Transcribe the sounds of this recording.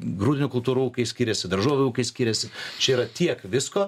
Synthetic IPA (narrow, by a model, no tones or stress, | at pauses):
ɡɾuːd̪ʲɪnʲuːkʊlˠt̪uːɾuːuːkɐɪsʲkʲiːɾʲɛsʲɪd̪ɐɾʒoːʋʲɪuːkɐɪsʲkʲiːɾʲɛsʲɪt͡ʃʲɛiːɾɐt̪ʲiɛkʋʲɪskoː